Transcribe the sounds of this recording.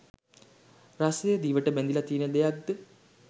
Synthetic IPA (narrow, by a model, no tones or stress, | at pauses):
rasəjəd̪iːʋəʈəbænd̪ilat̪iːnəd̪ejak̚d̪ə